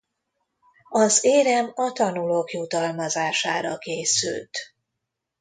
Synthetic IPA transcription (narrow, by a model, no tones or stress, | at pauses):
ɒzeːɾɛmɒt̪ɒnuloːkjut̪ɒlmɒzaːʃaːɾɒkeːsy̰lt̪